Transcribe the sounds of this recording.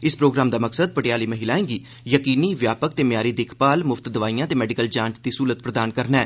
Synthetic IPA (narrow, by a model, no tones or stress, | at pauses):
ɪspɾoːɡɾaːmd̪aːməksəd̪̚pəʈɪjaːliːməɦilaːẽːɡiː | jəkiːniːʋjaːpək̚t̪eːmjaːɾiːd̪eːkʰpaːlmʊfʰt̪d̪əʋaːijãːt̪eːmɛːɖɪkəld͡ʒãːnsd̪iːsuːlət̪̚pɾəd̪aːnkəɾnɛː